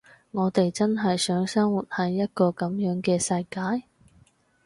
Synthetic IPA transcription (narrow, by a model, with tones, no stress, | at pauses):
ŋɔː˨˧t̪e˨jt͡sɐ˥nɦɐ˨jsœː˨˥ŋsɐ˥ŋwu˨t̚hɐ˨jːɐ˥t̚kɔː˧kɐ˨˥mjœː˨˥ŋkɛː˧sɐ˧jkaː˨˥j